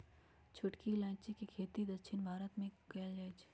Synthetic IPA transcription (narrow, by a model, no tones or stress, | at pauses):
t͡ʃʰʊʈkilãːt͡ʃikikʰeːt̪id̪əkʃʰɪnbʱaːɾət̪mẽkɐld͡ʒaːet͡ʃʰː